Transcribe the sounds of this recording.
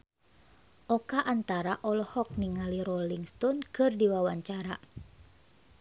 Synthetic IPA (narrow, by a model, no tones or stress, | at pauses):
ʔɔkaʔant̪aɾaʔɔlɔhɔk̚niŋaliɾɔliŋst̪ɔnkɨrdiwawaɲt͡ʃaɾa